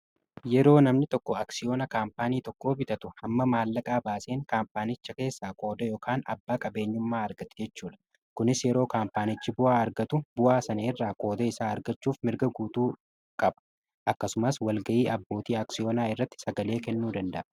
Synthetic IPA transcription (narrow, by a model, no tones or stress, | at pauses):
jɛɾo̞ːnɐmnɪt̪ɔkːɔaksɪjo̞ːnɐkaːmpaːniːt̪ɔkːo̞ːbɪt̪ɐt̪ʊhɐmːɐmaːlːɐkʼaːbaːseːŋkaːmpaːnɪt͡ʃːɐke̞ːsːaːko̞ːd̪ɐjo̞ːkʰaːnɐ̰bːaːkʼɐbe̞ːɲːʊmːaːɐɾɡɐt̪ɛ̥d͡ʒɛt͡ʃːuːᶑ̪ɐ̥ | kʊnɪsjɛɾo̞ːkaːmpaːnɪt͡ʃːɪbʊʔaːɐɾɡɐt̪ʊbʊʔaːsɐneːrːaːkʼo̞ːd̪ɐɪsaːɐɾɡɐt͡ʃːuːfmɪɾɡɐɡuːt̪uː | kʼɐbɐ̥ | ʔɐkːɐsʊmɐswɐlɡɐʔiːʔɐbːo̞ːt̪iːaːksɪjoːnaːɪrːɐt̪ːɪ̥sɐɡɐle̞ːkɛnːuːd̪ɐnd̪ɐ̰ʔɐ